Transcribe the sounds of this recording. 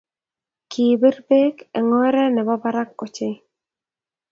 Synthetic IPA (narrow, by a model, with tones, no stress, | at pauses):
ki˨be˦rbe˦kɛ˨ŋɔ˦ɾɛ˦nɛ˨bɔ˦ba˦ɾa˦k̚ɔ˨t͡ʃɪ˦